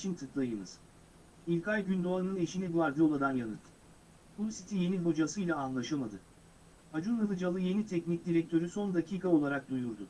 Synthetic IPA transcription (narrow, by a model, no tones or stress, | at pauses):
t͡ʃʰint̪ʰɯklˠajɯnɯ̰z̥ | ilʲkʰajɟynd̪o̞alɯnɯne̞ʃinid̪uaɾd̪ɯo̞lˠad̪anjanɯt̪ʰː | bunsit̪ʰije̞nilbo̞d͡ʒasɯjlʲˠaːnlˠaʃɯlˠmad̪ɯ | had͡ʒunɯvɯd͡ʒalˠɯje̞nit̪ʰɛcnic̚d̪iɾɛc̚t̪ʰø̞ɾyso̞nd̪acʰiːkʰao̞lˠaɾak̚d̪ujuɾd̪ʊ